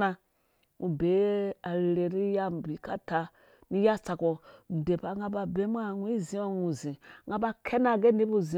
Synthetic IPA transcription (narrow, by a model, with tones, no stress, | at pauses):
a˧ | ŋu˨be˨˦a˨ɾɾe˨ɾi˦ja˦˨bi˨ka˦ta˧ | ni˦ja˦˨t͡sa˧ko˨de˨pa˨ŋɡa˧ba˧be˦m˦a˦ŋʷu˦i˦zi˦o˦nu˨zĩ˨ŋɡa˨˧ba˧kʰe˦na˦˨ɡe˦ni˦pu˦˨zi˨